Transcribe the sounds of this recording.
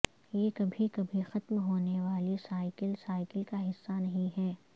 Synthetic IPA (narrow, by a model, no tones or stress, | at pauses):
jeːkɐbʱikɐbʱixɐt̪mɦoːneʋaːlisaːɪkɪlsaːɪkɪlkaɦɪsːanɐɦĩɦɛː